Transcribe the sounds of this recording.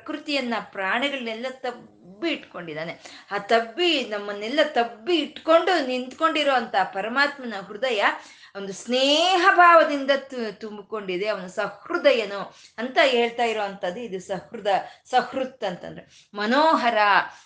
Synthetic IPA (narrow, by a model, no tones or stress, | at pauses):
kɾut̪ijɐnːɐpɾaːɳɛɡɐɭɐnɛlːɐt̪ɐ | bːiːʈkoɳɖid̪aːneaːt̪ɐbːinɐmːɐnːɛlːɐt̪ɐbːiːʈːko̞ɳɖunint̪ko̞ɳɖiɾoːʋɐnt̪ɐpɐɾɐmaːt̪mɐnɐɦɾud̪ɐjɐ | ond̪usneːɦɐbʱaːʋɐd̪ind̪ɐt̪umbiko̞ɳɖid̪e̞ɐʋɐnusɐ̃hɾud̪ɐjɐnu | ɐnt̪ɐɦeːɭt̪aːjiɾoːʋɐnt̪ɐd̪ːuid̪usɐhɾud̪ɐsɐhɾut̪ːɐnt̪ɐ̰nd̪ɾe | mɐnoːɦɐɾaː